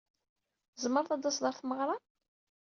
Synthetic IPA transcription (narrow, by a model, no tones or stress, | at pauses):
zməɾˤθɑd̪ɑsðˤəɾθməʁɾˤɑ